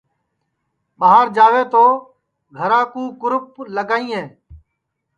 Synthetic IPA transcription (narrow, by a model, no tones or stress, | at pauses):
ɓəɦaːɾd͡ʒaːʋeːt̪oː | ɡʱəɾãːkũːkʊɾʊp̚ləɡaːĩːɦẽː